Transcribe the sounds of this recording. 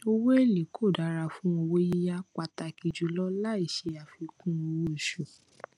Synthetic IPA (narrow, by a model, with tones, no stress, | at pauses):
o˦wo˦e˦˨li˨kʰo˦˨da˨˦ɾa˧fũ˦o˧wo˦ji˦ja˦k͡pa˧ta˧ki˧d͡ʒu˨˦lɔ˦la˦i˦˨ʃe˧a˨fi˧kũ˦o˧wo˦˨ʃu˨